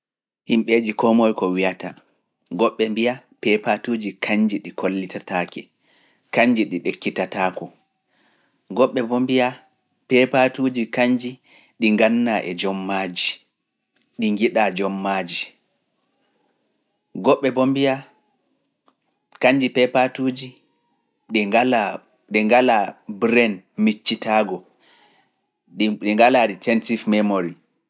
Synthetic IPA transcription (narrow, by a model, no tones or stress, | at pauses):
himɓed͡ʒikɔmɔjkɔwijata | ɡɔɓːɛmbijapɛpatuːd͡ʒikʰaɲd͡ʒiɗikʰolːitataːkɛ | kaɲd͡ʒiɗiɗekːitataːkɔ | ɡɔɓːɛbɔmbija | pɛpatuːd͡ʒikaɲd͡ʒi | ɗiŋɡanːaʔɛd͡ʒɔmːad͡ʒi | ɗiŋɡiɗad͡ʒɔmːaːd͡ʒi | ɡɔɓːɛbombija | kaɲd͡ʒipɛpatud͡ʒi | ɗɛala | ɗɛŋɡalabɾɛnmit͡ʃːitaːɡɔ | ɗiŋɡalaɾitʰɛntifmɛmoɾi